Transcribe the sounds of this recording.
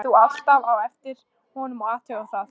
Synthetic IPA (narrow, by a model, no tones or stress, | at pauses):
θual̥t̪avawɛft̪ɪɾ̥ | hɔnʏmɔɣaːt̪ʰœɣʏθað